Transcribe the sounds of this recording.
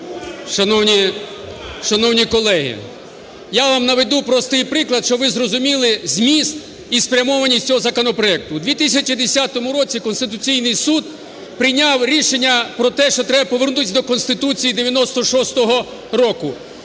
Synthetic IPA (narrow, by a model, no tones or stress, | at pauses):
ʃɐnɔwnʲi | ʃɐnɔwnʲikɔlˠɛɦḭ | jaʋamnɐʋed̪upɾɔst̪ɪjpɾɪklˠɐd̪ʃt͡ʃɔʋɪzrɔzʊmʲilˠɪzʲmʲist̪ | ispɾʲɐmɔʋɐnʲːisʲt͡sʲɔɦɔzɐkɔnɔpɾɔɛk̚t̪ʊd̪ʋʲit̪isʲɐt͡ʃid̪esʲat̪ɔmʊɾɔt͡sʲikɔnst̪ɪt̪̬ʊt͡sʲijnɪjsud̪̚ | pɾɪjnʲawɾʲiʃenʲːɐpɾɔt̪ɛʃt͡ʃɔt̪ɾɛbɐpɔʋernut̪ɪsʲɐd̪ɔkɔnst̪ɪt̪ut͡sʲijid̪eʋʲjɐnɔst̪ɔʃɔst̪ɔɦɔ | ɾɔkʊ